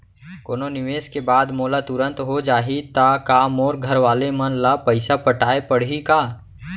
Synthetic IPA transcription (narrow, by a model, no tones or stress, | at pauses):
koːnonɪʋeːskebaːd̪moːlat̪ʊɾə̃nt̪ɦod͡ʒaːɦit̪akaːmoːɾɡʱəɾʋaːlemɐnlapəɪsapəʈaːepəɽ̤ikaː